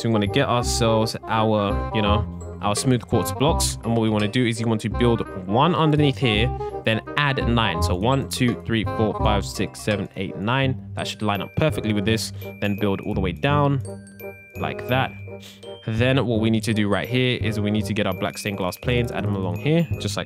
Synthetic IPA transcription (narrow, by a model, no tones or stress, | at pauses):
wiwɑ̃nɨɡɛɾʔaəsɛlˠvzʔaʊəjɨñoʊ | ʔaʊəsmʉð̥kʰɔɹtsb̥lɔksʔə̃nwʌt̚wiwɑ̃ñɨdɨɪzjɨwɑ̃ntʰɨbɪlˠdwʌ̃nʌ̃ndə˞niθhiɹðɨ̃nædnãɪ̃nsoʊwʌ̃ntʰʉθɹifɔɹfaɪv̥sɪksɛvə̃nḛɪtⁿnãɪ̃nðə̰tʃɨdˡlãɪ̃nʌ̰pʰɜˑ˞fɪk̚tˡliwɨðɪsðɨ̃nbɪlˠdɔ̰ːlˠðəweɪdãʊ̃n | la̰ɪk̚ðæt̚ | ðɨ̃nwʌt̚winid̚tʰɨdɨɹaɪt̚hiɹʔɪ̰z̚winid̚tʰɨɡɛɾaʊəblæ̰kstẽɪ̃nɡlɑspʰl̥ẽɪ̃nza̰də̃məlɔ̰̃ŋhiɹd̥ʒ̥ʌstlaɪk̚